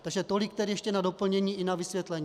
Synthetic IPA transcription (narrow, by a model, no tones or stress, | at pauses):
t̪aɡʒɛt̪o̞lɪk̚t̪ɛɾɪjɛʃcɛnado̞pl̩ɲɛɲiːʔɪnavɪsvjɛt̪lɛɲː